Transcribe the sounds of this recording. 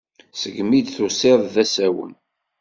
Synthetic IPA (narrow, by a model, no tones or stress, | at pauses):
səɡmid̪θusɪðˤðæsæwə̰n